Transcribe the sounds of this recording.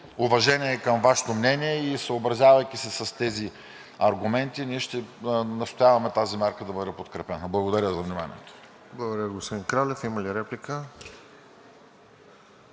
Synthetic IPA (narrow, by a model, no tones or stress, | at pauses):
ʊvɐʒɛnʲiɛːkəmvaʃɛ̥t̪omnɛniɛisəobɾɐzʲjavɐjk̟isɛsɐst̪ɛzi | ɐɾɡʊmɛnt̪iniɛʃt̪ɛnɐst̪ojavɐmɛt̪azimʲaɾkəd̪ɐbɤd̪ɛpot̪kɾɛpɛnəblˠɐɡod̪ɐɾʲəzɐvnima̰nʲḭɛt̪o̥ | blˠɐɡod̪əɾjʲəɡospod̪inkɾalɛfiməliɾɛplikə